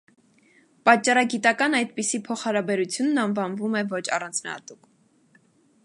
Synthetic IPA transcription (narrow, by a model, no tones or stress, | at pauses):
pɑt͡ʃːɑɾɑɡit̪ɑkɑnɑjd̪pisipʰɔχhɑɾɑbɛɾut͡sʰjunːɑnvɑnvumɛvɔt͡ʃʰɑ̰rɑnt͡sʰnɑ̰hɑ̰t̪uk